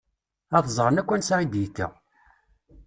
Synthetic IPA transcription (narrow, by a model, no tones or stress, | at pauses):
æθzˤʁənækʷːænsʕid̪jit̪ːæ̰